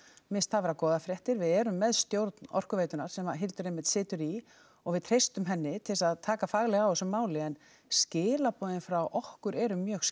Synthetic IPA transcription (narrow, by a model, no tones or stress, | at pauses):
mɪst̪ʰavɛɾakɔːðafɾjɛht̪ɪɾvɪðɛːɾʏmːɛðst̪jowɾt̪nɔ̰r̥kʏveːjt̪ʏnaɾ̥sɛmaɦɪlt̪ʏɾejmɪht̪sɪːt̪ʏɾi | ɔɣvɪðt̪ʰɾ̥ejst̪ʏmɦɛnːɪt̪ʰɪlsaðt̪ʰaːkafaːɣlɛɣaɔsɛmːaːwlɪɛn | scɪːlapɔːðɪnfɾawʔɔhkʏɾɛɾʏmjœɣs